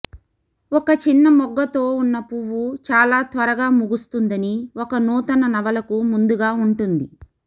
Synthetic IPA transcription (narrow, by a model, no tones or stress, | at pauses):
ɔkɐt͡ʃinːɐmɔɡːɐt̪o̞ːunːɐpuʋːut͡ʃaːlaːt̪ʋɐɾɐɡaːmuɡust̪und̪ɐniɔkɐnuːt̪ɐnɐnɐʋɐlɐkumund̪uɡaːuɳʈund̪i